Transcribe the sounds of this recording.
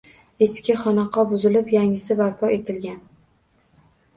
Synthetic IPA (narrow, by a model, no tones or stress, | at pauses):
eskʲɪχɒnɑqʰɑbʊzɪlɪpjaŋʲɪsɪbaɾpʰɒe̞t̪ʰɪlɡʲan